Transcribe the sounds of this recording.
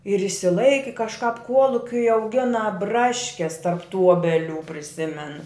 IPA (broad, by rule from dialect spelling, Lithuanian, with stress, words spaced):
ɪr ɪʃʲsʲɪˈlˠɐɪkʲɪ kɐʃˈkɐp ˈkuɔlˠʊkʲʊɪ ɐʊˈɡʲɪnɐ ˈbrɑːʃʲkʲɛs tɐrp tuː ˈuɔbʲɛlʲuː pʲrʲɪˈsʲɪmʲɛn